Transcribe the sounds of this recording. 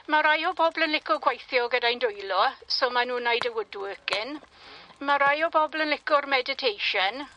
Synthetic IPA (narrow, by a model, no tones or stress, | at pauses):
maɾajɔbɔblˠənlɪkʊɡwajθjɔɡədajndʊjlɔsɔːmanuːnajdəwʊduəkɪn | maɾajɔbɔblˠənlɪkʊrmɛdɪtʰejʃən